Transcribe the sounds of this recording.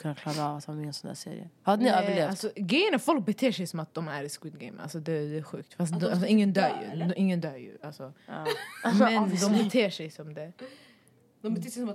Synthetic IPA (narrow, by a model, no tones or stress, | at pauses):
kʰɵnːakʰlɑːɾaːvat̪ːvmɪŋːənsɔnd̪æ̰sḛːɾɪ̰ə̰had̪ənɪøːəɭeːvalsɔɡɾɛjənafɔlk̚bɛt̪ʰeːʂɛjsɔmat̪̚d̪ɔmæɾɛskwɪd̪̚ɡɛɪmʔa̰lsɔd̪ɛd̪ɛæɧʉ̟ːk̚t̪fas̬t̪d̪alsɔɪŋːənd̪œːɾjʉ̰ʔɪŋːənd̪œːɾjʉ̰ʔalsɔ | mɛnd̪ɔmbɛt̪ʰeːʂɛjsɔmd̪ɛ | d̪ɔmbɛt̪eːsɛsɔm